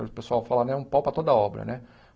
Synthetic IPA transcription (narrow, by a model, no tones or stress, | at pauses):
eʊpesuawfalanɛũmpɔpɾɐt̪od̪ɐɔbɾɐ̰nɛ